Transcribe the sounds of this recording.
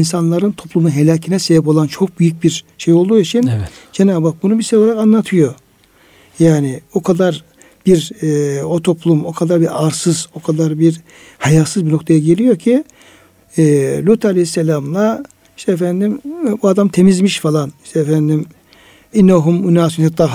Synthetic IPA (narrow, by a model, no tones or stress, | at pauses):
insanlˠaɾɯnt̪ʰo̞plˠumunɦelʲaːcʰinɛsebip̬o̞lˠant͡ʃʰo̞k̚byjyc̚biɾ | ʃe̞jo̞lˠd̪uːit͡ʃʰind͡ʒenaːbak̚bunubiɾʃejoaɾakanlːˠat̪ʰɯjo̞ | jaːnɪokʰad̪aɾ | b̥iɾ | o̞t̪ʰo̞plˠumo̞kʰad̪aɾbiɾaɾsɯzo̞kʰad̪aɾbiɾ | hajalsɯzbino̞kt̪ʰajaɟe̞lʲijo̞ɾcʰi | lʲut̪ʰaalʲehisːelʲamlˠa | iʃt̪ʰɛːfænd̪imbuad̪amt̪ʰe̞mizmiʃfalˠani̥ʃt̪ʰɛːfænd̪im | inːaɦumynaːsunhat̪ʰːaː